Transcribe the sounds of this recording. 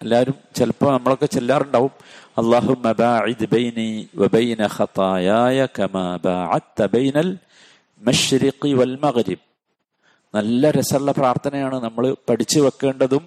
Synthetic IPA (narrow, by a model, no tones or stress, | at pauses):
ɐlːaːlumt͡ɕelpːɐmnɐmːɐɭo̞kːe̞t͡ɕelːaːruɳɖaːʋumɐlˠˤːɑːɦumːɐbaːʕɪd̪bɐjniːwɐbɐjnɐxɑt̪ɑːjaːjɐkɐmaːbaːʕɐ̰d̪̚t̪ɐbɐjnɐl | mɐʃɾɪqiwɐlmɐɣɾib̚ | nɐlːɐɾesɐɭːɐpraːrt̪ʰɐnɐjaːɳɨnɐmːɐɭɨpɐʈit͡ɕːɨʋɐkːe̞ːɳɖɐðum